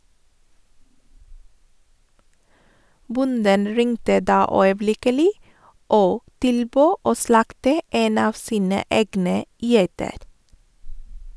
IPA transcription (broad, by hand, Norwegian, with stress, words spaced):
ˈbʊndən ˈɹɪŋtə ˈdɑː œʏəˈblɪkəlɪ ˈoː ˈtɪlˌbøː ˈoː ˈslɑktə ˈeːn ˈɑːʋ ˈsiːnə ˈeːɡnə ˈjæɪtəɾ